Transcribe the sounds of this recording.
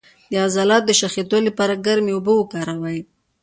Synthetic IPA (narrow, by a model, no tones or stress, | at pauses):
d̪əazɑlɑt̪̚d̪əʃaxet̪olapɑɾaɡaɾmeʊbəwəkɑɾawaj